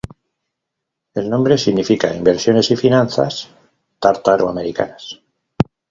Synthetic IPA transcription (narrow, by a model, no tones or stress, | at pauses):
e̞lnõ̞mbɾe̞siɣnifika̰imbe̞ɾsjo̞ne̞sifinãnθa̰s | t̪aɾt̪aɾoame̞ɾika̰nas